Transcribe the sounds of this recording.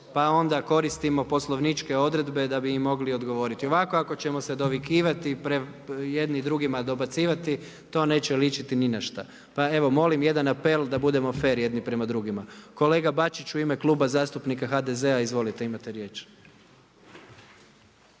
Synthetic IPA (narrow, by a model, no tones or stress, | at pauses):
pao̞nd̪ako̞ɾist̪imo̞po̞slˠo̞ʋnit͡ʃke̞o̞d̪ɾe̞d̪be̞d̪abiːmːo̞ɡlio̞d̪ɡo̞ʋo̞ɾit̪io̞ʋako̞ako̞t͡ɕe̞mo̞se̞d̪o̞ʋikiːʋat̪ipɾe | jed̪nid̪ɾuɡimad̪o̞bat̪siːʋat̪i | t̪o̞ːne̞ːt͡ɕeljit͡ʃit̪ininaʃt̪a̰ | pae̞ʋo̞mo̞limje̞d̪anapeld̪abud̪e̞mofe̞ːɾje̞d̪nipɾe̞mad̪ɾuɡimako̞le̞ːɡabat͡ʃit͡ʃuime̞klˠuːbazaːst̪upnikaxad̪eze̞aizʋo̞lit̪e̞imat̪eɾje̞t͡ʃ